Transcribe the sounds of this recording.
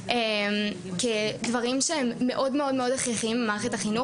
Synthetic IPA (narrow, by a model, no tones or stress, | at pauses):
ʔem | kedvɐʁimʃeemːe̞ʔo̞dmeo̞dme̞o̞daχʁiχimbemaːʁeχetaχinu